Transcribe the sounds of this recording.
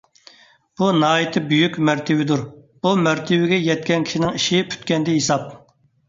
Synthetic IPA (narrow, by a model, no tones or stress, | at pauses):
b̥unɑːit̪ʰɨbyjykʲmæɾt̪ʰɪwɪd̪uɾb̥umæɾt̪ʰɪwɪɡʲɛjɛt̪kʲɛnkʲʰi̥ʃinɪŋiʃɪpʰy̥t̪kʲɛnd̪ɪɦisɑp̚